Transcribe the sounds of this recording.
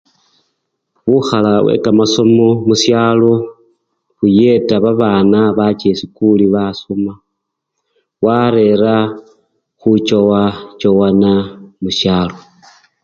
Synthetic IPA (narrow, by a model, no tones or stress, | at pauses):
βuxalawḛkamaso̞mo̞musjalo̞ | xuje̞taβaβaːnaβat͡ʃesikuliβasoma | waɾe̞ɾa | xut͡ʃowat͡ʃowanamuʃjaːlo̞